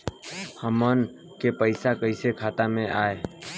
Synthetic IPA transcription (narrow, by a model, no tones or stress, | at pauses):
həmən | kepəɪsakəɪsekʰaːt̪amẽʔaːe